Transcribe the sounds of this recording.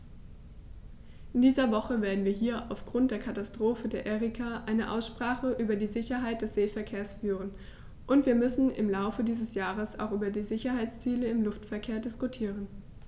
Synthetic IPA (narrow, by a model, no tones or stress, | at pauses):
ʔɪndiːzɐvɔχəveːɐdn̩viːɐɦiːɐʔaʊfɡ̥ʁʊnt̚d̥eːɐkʰatastʁ̥oːfədeːɐʔɛʁikʰaʔaɪnəʔa̰ʊsʃpʁ̥aːχəʔyːbɐdiːzɪçɐɦaɪt̚d̥ɛsz̥eːfɛɐkʰeːɐsfyːʁ̞ən | ʔʊntv̥iːɐmʏsn̩ʔɪ̰mlaʊfədiːzəsjaːʁəsa̰ʊxʔyːbɐdiːzɪçɐɦaɪt͡st͡siːləɪmlʊftfɛɐkʰeːɐdɪskutʰiːʁən